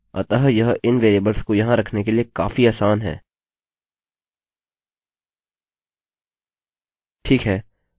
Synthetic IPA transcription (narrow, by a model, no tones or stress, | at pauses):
ə̰t̪ɐɦjɐɦʔɪnʋeːɾeːbəɾskojɐɦãɾɐkʰnekeliekaːfiaːsaːnɦɛ̰ː | ʈʰiːkɦɛː